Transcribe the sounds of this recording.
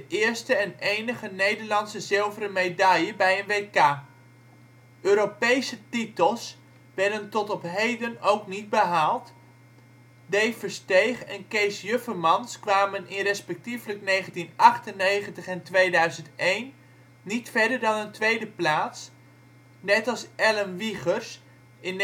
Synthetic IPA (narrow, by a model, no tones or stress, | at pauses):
dəʔɪːɹstəɛnejnəχənejdəɹlɑntsəzɪlˠvəɾəmejdɑjəbɛjənʋejkaː | ʔøːɾopejsətitəlˠs | ʋɛrdəntɔtɔpɦejdənowknid̚bəɦaːlˠt | dejfəɹstejχɛnkejsjøfəmɑnskʋaːmənɪnrɛspɛk̚tifləknejχəntinʔɑχtənːejχəntəχɛntʋejdœɥzəntejnː | itfɛdəɹdɑnəntʋejdəplaːts | nɛtɑlˠsɛlənʋiχərs | ɪn